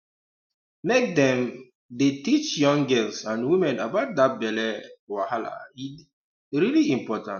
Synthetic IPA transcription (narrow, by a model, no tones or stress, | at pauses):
mek̚dɛ̃m | detit͡ʃjɔ̃ŋɡɛlsãnwimɛ̃nabaʊt̚dat̚bɛlɛwahala̰i | ɹiliĩmpɔtã̰n